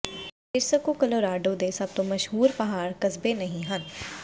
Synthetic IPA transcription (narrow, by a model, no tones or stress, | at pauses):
ɪɾsəkokəloːɾaːɖoːd̪eːsəb̚t̪õːməʃɦuːɾpəɦaːɾkəzbeːnəɦĩɦən